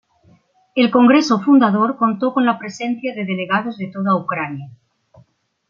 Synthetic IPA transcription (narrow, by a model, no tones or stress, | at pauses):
elko̞ŋɡɾesofund̪að̞oɾko̞nt̪okonlapɾesen̟θjaðe̞ðe̞leɣað̞ozðet̪oð̞aukɾanja